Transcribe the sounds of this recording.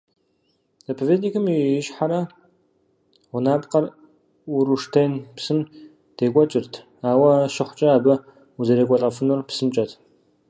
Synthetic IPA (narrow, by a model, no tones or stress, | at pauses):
zɐpʰɐvʲeːdnikʰɨmiɪʃħaɾɐ | ʁʷʊnaːpqɐr | ʊɾuʂtʰejnpsɨm | d̥eːkʷʼɔt͡ʃʼɪrtʰ | aːwɐʃɪχʷt͡ʃʼɐaːbɐ | uzɐɾekʷʼɔɬʼɐfɨnʊrpsɨmt͡ʃʼɐtʰ